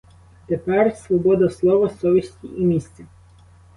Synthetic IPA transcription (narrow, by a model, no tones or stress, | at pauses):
t̪epɛrsʋɔbɔd̪ɐslˠɔʋɐsɔʋʲisʲtʲḭʔimʲisʲt͡sʲɐ